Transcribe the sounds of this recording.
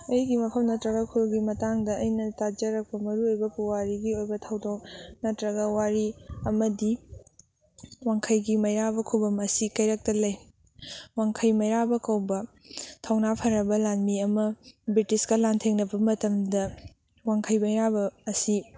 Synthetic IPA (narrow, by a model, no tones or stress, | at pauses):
ɐjɡimɐpʰɐmnɐtɾɐɡɐkʰuɾɡimɐtaŋdɐɐjnɐtad͡ʒɐɾɐk̚pɐmɐɾuojbɐpuwaɾiɡiojbɐtʰɐwdownɐtɾɐɡɐwaɾiɐmɐdi | waŋkʰɐjɡimɐjɾabɐkʰubɐmɐsikɐjɾɐk̚tɐlɐj | waŋkʰɐjmɐjɾabɐkɐwbɐ | tʰɐwnapʰɐɾɐbɐlaŋmiɐmɐbɾitiskɐlantʰeŋnɐbɐmɐtɐmdɐ | waŋkʰɐjbɐjɾabɐːsi